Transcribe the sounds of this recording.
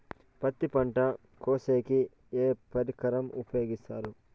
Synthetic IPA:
pɐt̪ːipɐɳʈɐ | koːseːki | eːpɐɾikɐɾɐmṵpjo̞ːɡist̪aːɾu

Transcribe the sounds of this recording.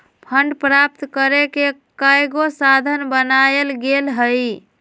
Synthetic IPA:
pʰəɳɖpɾap̚t̪kəɾekekajɡosad̪ʱənbənaelɡelɦəj

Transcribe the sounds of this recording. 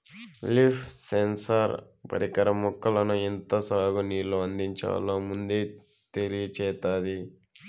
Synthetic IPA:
lipsensɐɾ | pɐ̰ɾikɐɾɐmukːɐlɐnuint̪ɐsaːɡuniːlːoɐnd̪iɲt͡ʃa̰ːlːoːmund̪eː | t̪elijɐt͡ʃɛːt̪aːd̪i

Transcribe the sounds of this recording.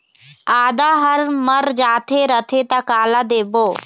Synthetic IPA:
aːd̪aɦəɾməɾd͡ʒaːt̪ʰeɾət̪ʰet̪akaːlad̪eːboː

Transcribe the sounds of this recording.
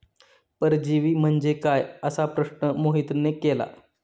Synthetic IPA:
pəɾd͡ʑiʋiːm̤əɳd͡ʑekajəsapɾəʂɳəmoɦit̪nekela̰

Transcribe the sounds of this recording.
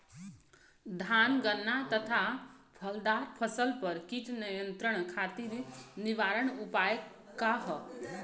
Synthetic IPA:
d̪ʱanɡənːat̪ət̪ʰabʰʱəld̪aɾpʰəsəlpəɾkiʈnəjə̃nt̪ɾəɳ̃kʰat̪iɾniʋaɾəɳ̃upajə | kːaɦ

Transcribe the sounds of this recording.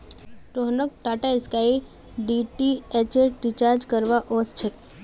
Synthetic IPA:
ʈoɦnək̚ʈaʈaɪskai | ɖiʈiet͡ʃeʈɾit͡ʃaɾd͡ʒkəɾʋaʔost͡ʃʰek

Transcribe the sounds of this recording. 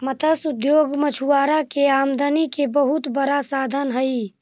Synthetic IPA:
mət̪ʰəsʊd̪joːɡmət͡ʃʰuaːɾakeaːmd̪ʱənikebəɦʊt̪bəɾasaːd̪ʱənɦəi

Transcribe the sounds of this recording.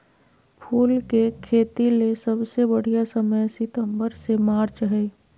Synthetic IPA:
pʰuːlkekʰeːt̪ilesəbsebəɽ̤ijasəməjsɪt̪ə̃mbəɾsemaːɾt͡ʃɦɛi

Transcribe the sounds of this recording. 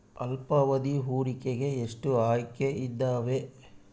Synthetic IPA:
ɐlpɐʋɐd̪iɦuːɽikeɡe̞ːʂʈuaːjkeʔid̪ːaːʋe̞

